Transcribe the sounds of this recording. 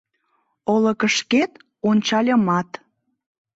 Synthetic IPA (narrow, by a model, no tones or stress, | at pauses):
olə̆kəʃket̪ | onʲt͡ɕɑlʲə̆mɑt̪